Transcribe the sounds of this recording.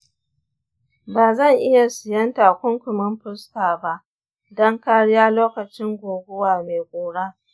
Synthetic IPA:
baː˨zɐ˦˨ŋʔɪ˦ja˨sɪ˨jɐ˦ntaː˨kʷʊ˦ŋkʷʊ˨mɪ˦mɸʊ˦staː˨ba˦ʔ | dɐ˦ŋkaː˦ɽɪ˦jaː˦loː˦kɐ˨t͡ʃɪ˦ŋɡʷoː˨ɡʷʊ˦waː˨meː˨ɡʷʼoː˨ɽa˦

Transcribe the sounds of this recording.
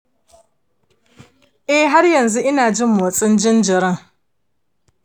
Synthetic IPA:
e˦ɦa˦ɾja˨n̩˨zʊ˦ʔɪ˦na˨d͡ʒɪ˦mʊ˨t͡sʼɪ˦n̩˦d͡ʒɪ˦n̩˦d͡ʒɪ˨ɾa˦˨

